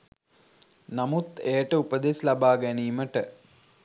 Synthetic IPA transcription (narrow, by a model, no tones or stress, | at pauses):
namut̪ejəʈəupəd̪eslabaːɡæniːməʈə